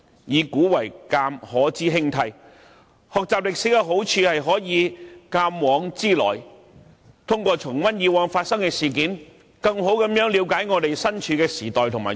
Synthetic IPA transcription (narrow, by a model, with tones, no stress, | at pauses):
jiː˨˧kuː˨˥wɐ˨˩jkaː˧mhɔː˨˥t͡siː˥ɦɪ˥ŋt̪ʰɐ˧j | hɔː˨k̚t͡saː˨p̚lɪ˨k̚siː˨˥kɛ˧ɦo˨˥wt͡ʃʰyː˧hɐ˨jɦɔː˨˥jiː˨˧kaː˧mwɔː˨˧˥ŋt͡siː˥lɔ̰ː˨˩j | t̪ʰʊ˥ŋkʷɔː˧t͡ʃʰʊ˨˩ŋwɐ˥njiː˨˧wɔː˨˥ŋfaː˧t̚sɐ˥ŋkɛː˧siː˨k̬iː˨˥n | kɐ˧ŋɦo˨˥wkɐ˨˧˥mjœː˨˥ŋli˨˧wkaː˨˥jŋɔː˨˧t̪e˨jsɐ˥nt͡ʃʰyː˨˧˥kɛː˧siː˨˩t̪ɔː˨jt̪ʰʊ˨˩maː˨˩